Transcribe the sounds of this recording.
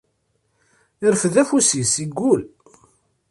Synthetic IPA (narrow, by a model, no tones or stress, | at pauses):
ɪɾfðæfusisiɡːul